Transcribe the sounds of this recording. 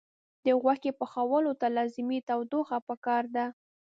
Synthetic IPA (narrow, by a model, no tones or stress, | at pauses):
d̪əɣwakepəxawəlot̪alɑzɪmit̪awd̪oxapəkɑɾd̪a